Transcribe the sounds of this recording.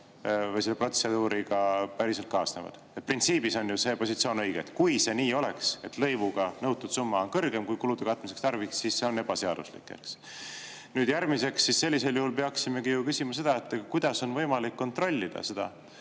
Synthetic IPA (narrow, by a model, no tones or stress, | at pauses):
vɤjselːepro̞t̪se̞d̪̥uːɾiɡɑpæɾise̞lt̪kɑːsne̞̰vɑ̰d̪̥et̪̚print̪siːb̥iso̞njuse̞po̞sit̪sio̞ːnɤ̞jɡ̥et̪kujse̞niːo̞le̞̰kse̞t̪lɤ̞jvuɡ̥ɑnɤwt̪ːˑud̪sumːɑonkɤrɡ̥e̞mkujkulud̪̥ekɑt̪ːˑmis̬ekst̪ɑrviksːisse̞o̞ne̞b̥ɑse̞ɑd̪̥uslḭkːˑḛks | nyːd̪̥jæɾmise̞ksːisse̞lʲːise̞ljuhulpeɑksime̞kijukysʲimɑs̬e̞d̪̥ɑet̪ːˑɡɑkujd̪̥ɑso̞nvɤ̞jmɑlikːo̞nt̪ro̞lʲːid̪̥ɑ̰se̞d̪̥ɑ̰